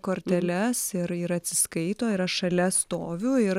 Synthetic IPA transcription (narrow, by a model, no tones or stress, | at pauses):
koːɾʲt̪ʲɛlʲɛsɪɾɪɾɐt̪ʲsʲɪskɐɪt̪oːɪɾɐʃʃɐlʲɛst̪oːʋʲʊːɪɾ